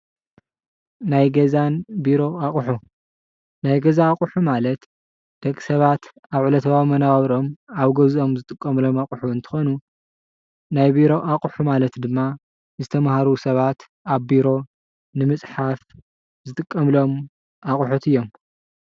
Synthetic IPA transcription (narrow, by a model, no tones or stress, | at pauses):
najɡɐzanbiɾo̞aχʼħu | najɡɐzaːkʼʊħumalɐt̪ | d̪̥ɐkʼːisɐβat̪ | aβʕulɐt̪ʰɐβamɐnaβaβɾo̞maβɡɐzo̞mzɨt̪ʼɨkʼːɐmlo̞maqʼħuɨnt̪ʰɨ̥xo̞nu | najbiɾo̞ʔaχʼuħumalɐt̪d̪ɨmːa | zɨt̪ʰɐmahaɾusɐβat̪ | aβbiɾo̞ | nɨmɨt͡sʼħaf | zɨt̪ʼɨkʼːɐmlo̞m | aχʼħut̪ɨjːo̞m